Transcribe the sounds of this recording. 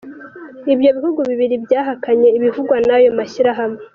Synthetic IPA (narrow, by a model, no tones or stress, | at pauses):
ibjo̞βihuɡuβiβiɾibjaːɦakaɲe̞iβivuɡwanajo̞maʃiɾaɦame